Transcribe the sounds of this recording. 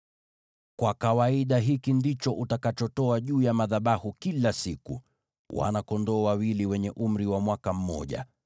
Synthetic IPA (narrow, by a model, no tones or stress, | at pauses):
kwakawaiɗaɦikindit͡ʃɔʔutakat͡ʃɔtɔaʄuːjamaðaɓahukilasikṵ | wa̰nakɔndɔːwawiliwɛɲɛʔum̩ɾiwamwakam̩mɔ̰ʄa̰